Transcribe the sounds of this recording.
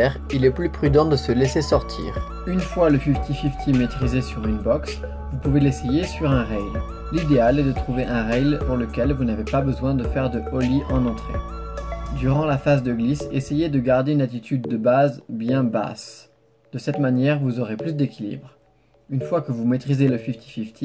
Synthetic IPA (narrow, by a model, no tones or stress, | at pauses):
ɛʁ | ilɛplypχyd̪ɑ̃d̪əsəlesesɔʁt̪ʰḭːʁ | ynfwaləfift̪ifift̪ʰimet̪χizesyʁynbɔks | vupuvelesejesyʁɛ̃ʁɛjl | lid̪ealɛd̪ət̪χuveʔɛ̃ʁɛjlpuʁləkʲɛlvunavepabəzwɛ̃d̪əfɛʁd̪əɔliʔɑ̃nɑ̃t̪χḛ | d̪yʁɑ̃lafazd̪əɡlisesejed̪əɡaʁd̪eynat̪it̪ʰyd̪ːəbazbjɛ̃ba̰s | d̪̥əsɛt̪manjɛʁvuzɔʁeplys̬d̪ekʲilḭbʁ | ynfwakəvumet̪χizeləfift̪ʰi̥fift̪ʰi